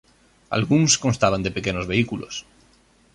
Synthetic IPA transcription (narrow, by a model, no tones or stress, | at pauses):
a̰lɣunsko̞nst̪aβ̞and̪epe̞ke̞nozβe̞ikulʔo̰s